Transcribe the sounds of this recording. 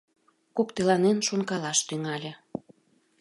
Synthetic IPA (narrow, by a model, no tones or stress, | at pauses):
kokt̪elɑnenʃonkɑlɑʃt̪yŋɑlʲĕ